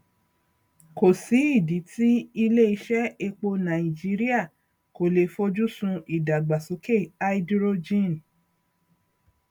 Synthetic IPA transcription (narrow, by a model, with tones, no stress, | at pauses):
ko˨si˨˦i˦˨di˨˦ti˦i˧le˦i˧ʃɛ˦e˧k͡po˧nã˨ĩ˨d͡ʒi˦ɾi˦a˦˨ | ko˨le˨fo˧˦d͡ʒu˦sũ˧i˨da˨ɡ͡ba˨so˨˦ke˦˨a˧i˦dɾo˧d͡ʒĩ˦˨n˨